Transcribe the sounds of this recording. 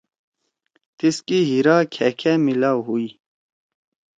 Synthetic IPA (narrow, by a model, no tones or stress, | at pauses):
t̪iskiɦiɾaːkʰɛkʰɛmilawɦuji